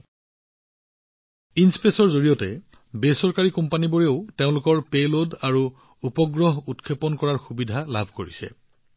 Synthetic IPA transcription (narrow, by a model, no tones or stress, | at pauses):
inspesɔɹzoɹijɔtɛ | besɔɹkaɹikɔmpaniboɹeʊteʊ̃lʊkɔɹpelodaɹu | upɔɡɹɔɦutkʰepɔnkɔɹaɹxubidʱalabʱkoɹisɛ̰